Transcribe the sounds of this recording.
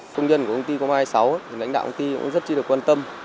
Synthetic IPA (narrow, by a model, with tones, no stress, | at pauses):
fə˧ŋ͡mzə˧nkkʰə˧ŋ͡mt̪i˧kŋ͡mhaː˧jsa˨˦wt̪ʰi˨˩la̰˧˥ŋɗa̰ː˧˨ʔə˧ŋ͡mt̪i˧kʊ̰˧˥ŋ͡mzə˦˥t̚t͡ɕɨ˧ɨ˨˩əkwa˧nt̪ə˧m